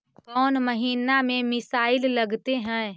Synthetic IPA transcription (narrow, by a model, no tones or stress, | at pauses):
kɔːnmɐɦiːnamẽmɪsaːɪllɐɡt̪eɦɛ̃ː